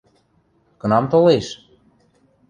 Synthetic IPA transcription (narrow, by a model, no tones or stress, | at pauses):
kɤ̆nɑmt̪oleʃ